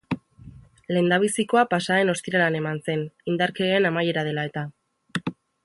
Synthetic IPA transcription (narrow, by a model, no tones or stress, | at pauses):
le̞ːnd̪aβ̞isiko̞apasae̞no̞st̪iɾalane̞manse̞nind̪aɾkeːnamaje̞ɾaðe̞lae̞t̪a